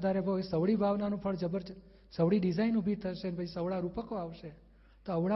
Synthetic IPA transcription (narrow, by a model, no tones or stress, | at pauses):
d̪aɾebʱəsəʋɭibʱaʋnanũpʰəɭd͡ʒəbəɾ | səʋɽiɖid͡ʒainubʱit̪ʰəʃenbəisəʋɭaɾupəkoaʋʃe | t̪oəʋɭa